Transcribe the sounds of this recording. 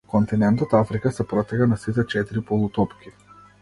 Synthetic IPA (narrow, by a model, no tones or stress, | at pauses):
kɔnt̪inɛnt̪ɔt̪afɾikasɛpɾɔt̪ɛkanasit̪ɛt͡ʃɛt̪iɾipɔlˠut̪ɔpkʲi